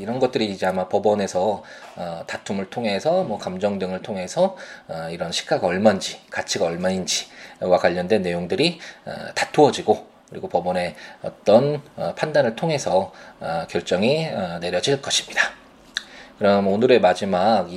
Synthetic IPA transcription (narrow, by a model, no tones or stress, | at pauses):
iɾʌnɡʌt̚t͈ɯɾid͡ʑiamapʌbʌne̞sʰʌ | tatʰumɯɭtʰoŋɦe̞sʰʌmʌkamd͡ʑʌŋdɯŋɯɭtʰoŋɦe̞sʰʌiɾʌnɕʰi̥k͈aɡaʌɭmand͡ʑikat͡ɕʰiɡaʌɭmaind͡ʑiwakwaʎːʌndwe̞nːe̞joŋdɯɾiʌ̰tḁtʰoʌd͡ʑiɡo | kɯɾiɡopʌbʌne̞ʌ̰t͈ʌnpʰandanɯɭtʰoŋɦe̞sʰʌkjʌɭt͡ɕ͈ʌŋiʌne̞ɾjʌd͡ʑiɭk͈ʌɕʰi̥mɲida | kɯɾʌmonɯɾe̞mad͡ʑimak